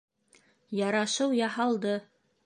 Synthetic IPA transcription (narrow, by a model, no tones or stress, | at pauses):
jɑɾɑʃɤwjɑhɑlˠd̪ɤ